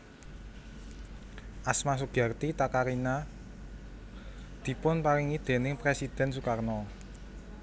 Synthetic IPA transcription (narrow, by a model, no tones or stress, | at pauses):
ʔasmas̬uɡ̥a̤rt̪it̪akaɾina | d̪̥i̤pʊnpaɾɪŋid̪̥e̤nɪŋpɾesid̪̥ɛ̤nsukarnɔ